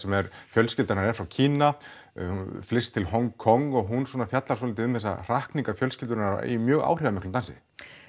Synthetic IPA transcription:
sɛmɛɾfjœlscɪlt̪aɾnaɾɛɾfɾawcʰiːna | hunflɪst̪ʰɪlhɔŋkʰːɔŋːɔɣɦunswɔːnafjat̪laɾsɔlɪt̪ɪʏmθɛsːa̰r̥ahkniŋkafjœlscɪlt̪ʏɾɪnaɾ̰ḭmjœːɣa̰ːwr̥ɪvamɪhklʏnt̪ansɪ̰

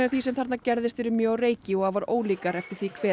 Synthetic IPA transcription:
ɪɾθvisɛmθaɾt̪nacɛɾðɪst̪fɪɾʏmjœːwreːjcɪɔhaðvaɾo̰ːwliːkaɾɛft̪ɪɾ̥θikʰv̥ɛː

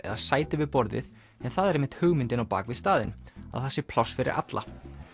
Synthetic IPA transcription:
ɛ̰ðaðsaːjt̪ɪvɪðpɔɾðɪ̰ð | ɛnθaðɛɾejmːɪnt̪hʏɣmɪnt̪ɪnawpa̰ːkvɪðst̪aːðɪ̰na̰ðθɛsːɪpʰlɔwsːfɪɾɪ̰ɾʔa̰t̪lʔa̰

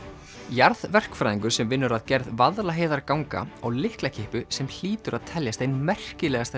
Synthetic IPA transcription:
jaɾðvɛr̥kfɾajðiŋkʏɾ̥sɛmvɪnːʏɾaðcɛɾðvaðlaɦejðaɾkawŋka̰awlɪhklacʰɪhpʏsɛml̥iːt̪ʏɾʔaðt̪ʰɛljast̪ejnmɛr̥cɪlɛːɣast̪

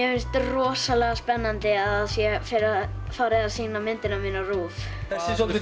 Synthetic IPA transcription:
ɛmɪnst̪rɔːsalɛɣaspɛnːant̪ɪaðsjɛfɪɾɾa | faːɾɪðḁsiːnamɪnt̪ɪnamiːnaruːf | ɛsɪ

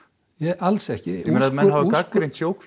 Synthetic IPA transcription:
jɛʔalsɛhcɪunaðmɛnhɦavɪkakːɾejnt̪sjoːwk

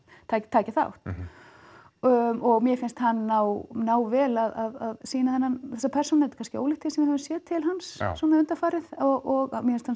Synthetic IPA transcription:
t̪ʰaːt̪ʰaːcaθa̰wht̪ | ɔɣmjɛfɪnst̪hanːaːwnaːwvɛːlaðaðaðsiːnaθɛnːanθɛsapʰɛr̥sɔnaɛɾt̪kanscɪo̰ːwlɪht̪ʰɪːlsɛmvɪɾhɛvʏnsjɛːt̪ʰːɪlɦanssɔnaʏnt̪afaːɾɪðɔɣɔɣamjɛfɪnst̪han

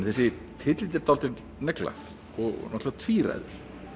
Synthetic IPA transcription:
nθɛsːɪ | t̪ʰɪt̪lɪt̪ɪɾt̪awlt̪ɪɾ | nɛkla̰ | ɔɣnɔht̪lvat̪ʰviːɾa̰jðʏ̰ɾ̥

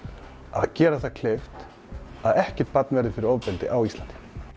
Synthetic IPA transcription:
a̰ðcɛːɾaθakʰlejft̪ | aðɛhcɛ̥t̪̚pat̪̚nvɛɾðɪfɪɾɪɾɔvpɛlt̪ɪ̰ʔawist̪ant̪i

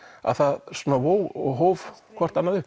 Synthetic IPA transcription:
a̰ðθaðsɔnavoːwɔɣɦoːwvkʰvɔr̥t̪anːaðʏ

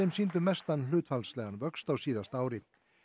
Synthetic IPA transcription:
ɪmsiːnt̪ʏmɛst̪anːlʏːt̪falslɛːɣanvœkst̪awsiːðast̪aːwɾɪ

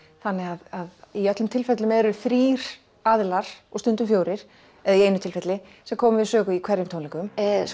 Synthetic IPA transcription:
θanːɪɣaðaðiœt̪lʏmt̪ʰɪlfɛt̪lʏmɛɾʏfɾiːɾ̥ | aðɪlaɾ̥ɔɣst̪ʏnt̪ʏmfjoːwɾɪɾ̥ | ɛðaieːjnʏt̪ʰɪlfɛt̪lɪ | sɛmkʰɔːmʏvɪðsœːɣʏikʰvɛɾjʏmt̪ʰoːnliŋkʏm

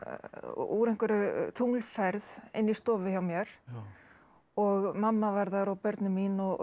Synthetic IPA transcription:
ṵɾeŋ̥kʏɾʏt̪ʰuŋlfɛɾðɪ̰nːist̪ɔːvɪçawmjɛɾ̥ | ɔɣmamːavaɾðaɾɔwpœɾt̪nʏminɔɣ

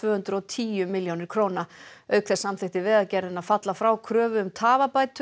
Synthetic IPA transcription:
vœːhʏnt̪ɾʏɔt̪ʰiːjʏmɪljownɪɾ̥kʰɾoːwnaœɥkθɛ̥samθɪht̪ɪvɪðaðcɛɾðɪnaðfat̪lafɾawkʰɾœːvʏʏmt̪ʰaːvapaːjt̪

